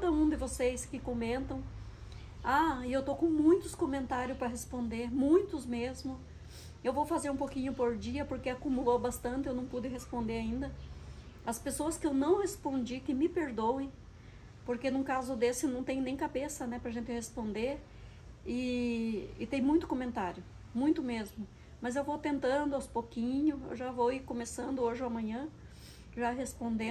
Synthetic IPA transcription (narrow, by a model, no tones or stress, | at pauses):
kad̪ɐũd̪ɪvoseskɪkomẽnt̪ɐ̃w̃ | aɪewt̪okõw̃mũj̃t̪ʊskõmẽnt̪aɾjʊspɾɐɦespõnd̪eɾmũj̃t̪ʊzmezmʊ | ewvowfazeɾũpowkĩɲʊpoɾd͡ʒiɐpoɾkeakumulowbast̪ɐ̃nt̪ɪewnɐ̃w̃pud̪ɪɦespõnd̪eɾaĩnd̪ɐ | ɐspesoɐskɪewnɐ̃w̃hespõnd͡ʒikɪmɪpeɾd̪owẽj̃ | poɾkenʊ̃kazʊd̪esɪnɐ̃w̃t̪ẽɲ̃ʊnẽj̃kabesɐnɛpɾɐʒẽnt̪ɪhespõnd̪eɾ | ɪ | ɪt̪ẽj̃mũj̃t̪ʊ̥kõmẽnt̪aɾjʊ | mũj̃t̪ʊmezmʊ | mɐzewvowt̪ẽnt̪ɐ̃nd̪ʊawspokĩɲʊḛwʒavowikõmesɐ̃nd̪ʊoʒɪamɐ̃ɲɐ̃ | ʒaɦespõnd̪ẽ